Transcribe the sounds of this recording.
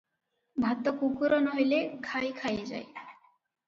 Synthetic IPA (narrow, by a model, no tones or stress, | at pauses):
bʱat̪ːokukuɾɔnɦojlekʰajkʰajed͡ʑa̰j